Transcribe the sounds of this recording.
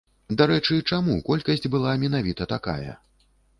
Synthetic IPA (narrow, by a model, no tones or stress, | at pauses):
d̪aɾɛt͡ʂɨt͡ʂamukɔlʲkɐsʲd͡zʲbɨlˠamʲɛnavʲit̪ɐt̪aka̰jɐ̰